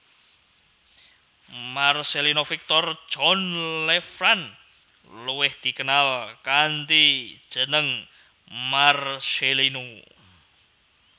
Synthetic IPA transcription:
marselinofik̚t̪ɔr̥ʒ̥ɔnlɛfɾan | luwɪhd̪̥i̤kənalkant̪i̥ʒ̥ə̤nəŋ | marselino

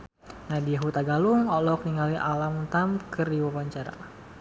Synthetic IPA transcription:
nadiaɦut̪aɡaluŋɔlɔk̚niŋɡaliʔalamunt̪amkəriwawaɲt͡ʃaɾa̰

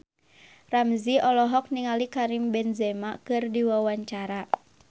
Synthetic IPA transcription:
ramziʔɔlɔɦɔk̚niŋalikaɾimbɛnzɛmakɨrdiwawaɲt͡ʃaɾa

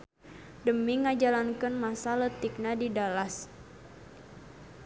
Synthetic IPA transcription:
dəmiŋad͡ʒalankənmasalət̪ik̚nadidalas

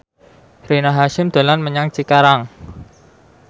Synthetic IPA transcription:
renaɦaʃɪmd̪̥o̤lanməɲaŋt͡ʃikaɾaŋ

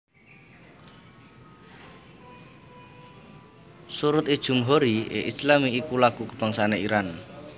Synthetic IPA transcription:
suɾʊt̪id̥ʒ̥ṳmɦoɾiḛʔislamiːkulaɡ̥ukə̥b̥aŋsaneiɾan

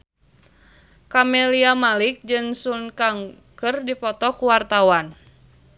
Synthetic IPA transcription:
kamɛliamalik̚d͡ʒɨŋsunkaŋ | kɨrdipɔt̪ɔkuwart̪awan

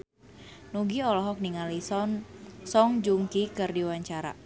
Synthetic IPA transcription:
nuɡiɔlɔɦɔk̚niŋalisɔnsɔŋd͡ʒuŋkikɨrdiwaɲt͡ʃaɾa̰

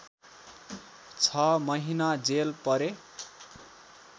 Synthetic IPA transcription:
t͡sʰʌmʌɦinad͡zelpʌɾe

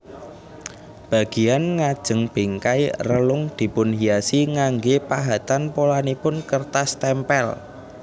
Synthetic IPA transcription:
b̥a̤ɡ̥i̤janŋad̥ʒ̥ə̤ŋb̥e̤ŋkairəlʊŋd̪̥i̤pʊnhijasiŋaŋɡepaɦat̪anpolanipʊnkərt̪ast̪ɛmpɛl

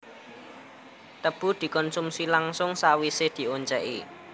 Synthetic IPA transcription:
t̪əb̥ṳd̪̥i̤kɔnsumsilaŋsʊŋsawised̪̥i̤oɲt͡ʃɛʔḭ

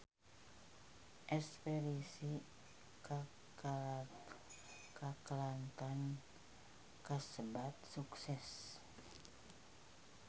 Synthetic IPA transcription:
ʔɛspeɾisi | ka | kakəlant̪an | kəsəbat̪̚suksɛs

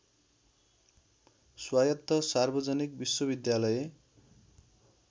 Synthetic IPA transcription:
swajʌt̪ːʌsarbʌd͡zʌnik̚biswʌbid̪jalʌje

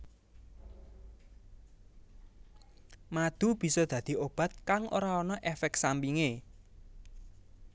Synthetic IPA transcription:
mad̪̥ṳb̥i̤sɔd̪̥ä̤d̪̥i̤ob̥a̤t̪̚kaŋʔo̰ɾaɔnɔʔɛfɛk̪̚sampiŋe

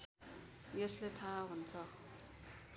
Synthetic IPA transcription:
jʌslet̪ʰaɦunt͡sʰʌ

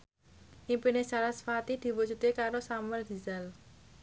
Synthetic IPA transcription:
ʔimpinesalasfat̪id̪̥i̤wud͡ʒṳt̪ekaɾosaməld̪̥i̤zal

